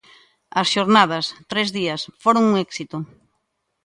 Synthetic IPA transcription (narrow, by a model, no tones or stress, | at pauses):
ɐsʃoɾnað̞ɐst̪ɾezðiɐsfoɾoŋuŋɛksit̪ʊ